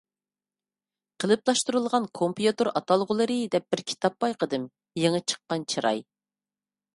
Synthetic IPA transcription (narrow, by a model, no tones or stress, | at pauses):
qʰəlˠɨplˠɑʃt̪uɾɨlˠʁɑnkʰompjut̪ɨɾɑt̪ʰɑlˠʁʊlˠɨɾɨd̪ɛp̚b̥ɪɾkʲʰi̥t̪ʰɑpːɑjqʰəd̪ɨm | jeŋət͡ʃʰə̥qːɑnt͡ʃʰiɾɑ̰j